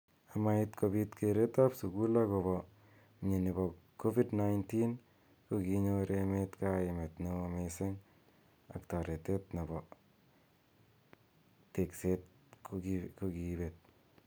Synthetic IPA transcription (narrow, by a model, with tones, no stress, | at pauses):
a˨ma˨itkʰobi˦tkʰe˨ɾe˦ta˦psu˨ɡu˦la˦ko˨bɔ˨ | ɲi˨ni˨bɔ˨kʰːo˦fi˦dna˦jntin | ku˦kiɲo˧ɾe˧me˦tka˦ɪ˨me˨tni˦o˧mese˦ŋ | a̰˨kta˨ɾe˨te˦tna˨bɔ˨ | te˨kse˦t̚kku˦kibe˨t̚